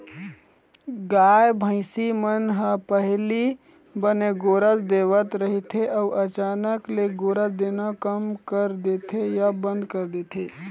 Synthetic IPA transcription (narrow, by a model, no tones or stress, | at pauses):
ɡajbʱə̃ɪsimənɦəpəɦli | bəneɡoːɾəsd̪eʋət̪ɾəɦit̪ʰeʔəuʔət͡ʃaːnəkleɡoɾəsd̪enakəmkəɾd̪et̪ʰejabə̃nd̪ʱkəɾd̪et̪ʰe